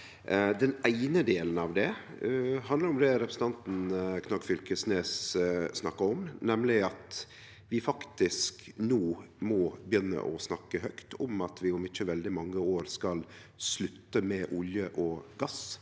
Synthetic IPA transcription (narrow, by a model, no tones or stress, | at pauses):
d̪ɛnæɪnəd̪eːlənɑʋd̪ɛ | ɦɑnd̪ləɾɔmd̪ɛɾɛpɾəsn̩t̪ɑnt̪n̩kʰnɑkfʏlkəsneːssnɑkːəɔmnɛmlɪɑt̪ | ʋɪfɑkt̪ɪsknoːmɔbjʏnːə̰ʔɔsnɑkːəɦœkt̪ʰɔmɑt̪ʋɪʊmɪt͡ʃːəʋɛld̪ɪmɑŋːəoːɾskɑl | slʉt̪ːəmɛʔʊljəʔɔɡɑs